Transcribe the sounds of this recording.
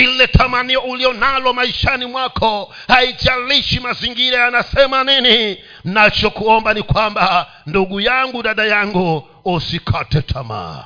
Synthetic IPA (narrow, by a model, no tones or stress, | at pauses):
ilɛtʰamaniɔuliɔnalɔmaiʃanimwakʰɔ | haitialiʃimaziŋɡiɾajanasɛmanini | nat͡ʃɔkuɔmbanikwamba | nduɡujaŋɡuɗaɗajaŋɡu | ɔsikʰatɛtʰama̰ː